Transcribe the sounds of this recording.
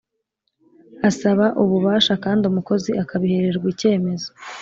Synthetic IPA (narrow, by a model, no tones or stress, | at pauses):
asaβaʔuβuβaːʃakaːndiumuko̞ziakaβihe̞ɾe̞ɾɡwice̞ːme̞zo